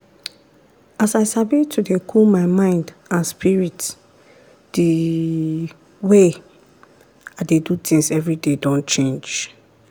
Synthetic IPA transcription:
asaɪsavitʰudekʰulmaɪmãɪ̃ndãnspʰiɹit | d̥i | we | adedut̪ʰĩŋsɛvɹidedɔ̃nt͡ʃẽnd͡ʒ

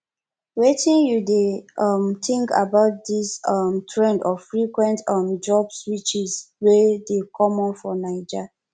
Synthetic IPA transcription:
wetĩnjudeʌmtĩŋka̰baʊt̚disʌmtʰɹɛ̃ndɔfɹikwɛ̃ntʌ̃md͡ʒɔbswit͡ʃizwedekʰɔmɔ̃nfɔnaɪd͡ʒa

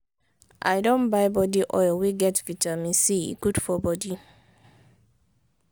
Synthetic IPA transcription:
ʔa̰jdɔ̃nbajbɔdiʔɔ̰jlwiɡɛtvitamĩnsiḭɡud̥fɔbɔdi

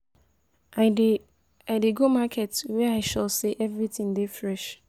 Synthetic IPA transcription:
aɪdeɡomakʰɛtwɛaɪʃalseʔɛvɹitʰĩŋdefɹɛʃ

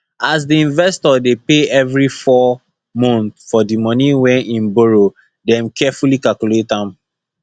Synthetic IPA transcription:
as̬diĩnvɛstɔdepeɛvɹifɔ | mɔ̃nθfɔdimɔ̃niwɛ̃nʔĩnboɹo | dɛ̃mkɛfulikalkuletãm

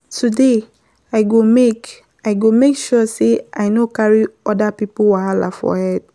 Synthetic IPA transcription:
tʰude | aɪɡomek | aɪɡomekʃɔseʔaɪnokaɹiɔdapipowahala̰fɔ̰hɛd̚

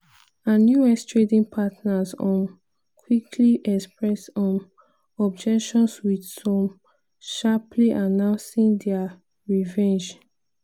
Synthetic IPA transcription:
ãnjuɛstɹedĩŋpʰatnazɔ̃m | kʰwikʰliʔɛkspɹɛstɔ̃m | ɔb̚d͡ʒɛkʃɔ̃nswidsɔ̃m | ʃapʰliʔanãʊ̃nsĩŋdɛa | ɹivɛ̃nd͡ʒ

